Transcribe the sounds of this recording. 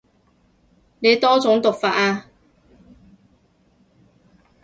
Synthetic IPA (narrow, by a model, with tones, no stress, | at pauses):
ne˨˧jt̪ɔː˥t͡sʊ˨˥ŋt̪ʊ˨k̚faː˧t̚aː˧